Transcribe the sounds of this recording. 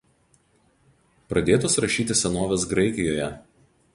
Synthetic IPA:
pɾɐd̪ʲeːt̪oːsɾɐʃʲiːt̪ʲɪsʲɛnoːʋʲɛsɡɾɐɪkʲɪjoːjɛ

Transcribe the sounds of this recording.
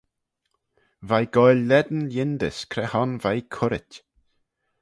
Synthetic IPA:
vajɡ̥ɔjlːɛd̪ən̩ljɪnd̪ə̰skʰɾɛhɔnvajkʰʊɾɪtʲ

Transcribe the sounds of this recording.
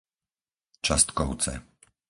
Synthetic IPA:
t͡ʃast̪kɔʊt͡sɛ̰

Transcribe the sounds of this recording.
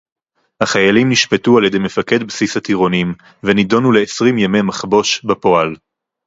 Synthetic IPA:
haχajalimniʃpetualjedejme̞fake̞dbsishatiʁo̞nim | venido̞nule̞ːsʁimjamemaχbo̞ʃbapo̞al

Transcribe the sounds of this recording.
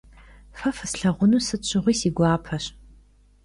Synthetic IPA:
fɐfɨsɬɐʁʷʊnusɨt͡ʃʷʰɨʁʷiːsiɡʷɑːpʰɐɕ

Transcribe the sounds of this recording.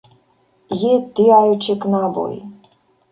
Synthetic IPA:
jit̪ːɪɑjʊt͡ʃɪknabɔ̰j

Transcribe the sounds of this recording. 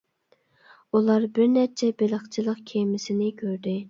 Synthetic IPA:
ulˠɑɾbɪɾnɛɾt͡ʃʰɛbeləχt͡ʃʰilˠəqkʲʰemɪsɪnɪkʲʰøɾd̪ɪ

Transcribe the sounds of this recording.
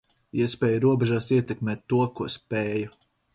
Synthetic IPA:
iɛspʲɛːjuɾuɔbɛʒaːsiɛt̪ɛkmeːt̪ːuɔkuɔspɛːju

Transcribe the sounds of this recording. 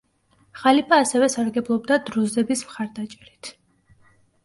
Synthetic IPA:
χalipʰʼaːsɛvɛsaɾɡɛblˠɔb̚d̪ad̪ɾuzɛbismχaɾd̪at͡ʃʼɛɾit̪ʰ

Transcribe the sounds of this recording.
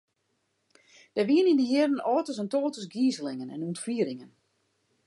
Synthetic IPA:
d̥ɛʋiənindəɦɪərdən̩ɔːtəs̬əntoːtəsɡiːzəlɪŋənɛ̰nuntfiəɾɪŋən

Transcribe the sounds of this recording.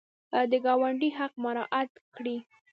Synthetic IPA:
d̪əɡɑwaɳɖiɦaq̚maɾɑʔat̪kɽi

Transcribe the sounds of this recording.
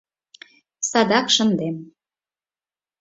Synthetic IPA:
sɑd̪ɑkʃə̆nd̪em

